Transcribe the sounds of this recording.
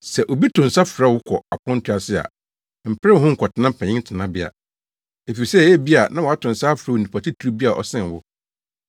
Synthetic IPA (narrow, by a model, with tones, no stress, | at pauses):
sɛ˨ʔo˨bi˦tʰʊ̃˨n̩˨sa˦fɾa˦˨wʊ˦kʷʰɔ˨a˨pʰɔ̃˦n˦tʰʊ˦a˨sɪ˦a̰˨ | m̩˨pʰɾɛ˦˨ɦʊ̃˦ŋ̩˨kʰɔ˨tʰɪ˨˦nã˦m̩˦pʰɛ̃˨ɲɪ̃˦tʰɪ˨nã˦bɪ˦a̰˨ | e˨fi˨sɛ˦˨˦ɛ˦bi˦a˨nã˦wɔ˨a˦tʰʊ̃˨n̩˨sa˦fɾa˦o˨nĩ˨pʰa˨tʰi˦tʰu˨ɾu˦bi˦a˨ʔɔ̰˨sɛ̃˦˨n˨wʊ˦